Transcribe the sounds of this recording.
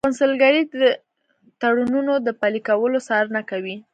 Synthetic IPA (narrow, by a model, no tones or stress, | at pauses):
pʊnsəlɡaɾidə | t̪aɽununod̪əpalikawəlosɑɾnakawi